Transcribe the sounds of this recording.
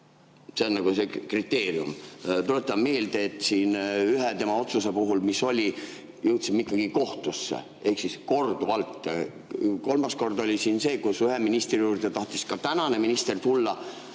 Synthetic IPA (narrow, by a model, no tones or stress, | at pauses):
seonːɑɡ̥usekrit̪ːe̞ːriṵmt̪ulet̪ːˑɑmme̞ːld̪e̞ːt̪ːˑsiːnyɦet̪e̞mɑo̞t̪susepuɦulmiso̞lʲi | jɯwt̪simikːˑɑɡ̥iko̞ht̪usːḛ | e̞hksisko̞rd̪̥uɑlt̪ːˑ | ko̞lmɑsko̞rd̪o̞lʲisiːnse̞ːkusyɦeminist̪rijuːrd̪̥et̪ɑht̪iskɑt̪ænɑne̞minist̪e̞rt̪ulːɑ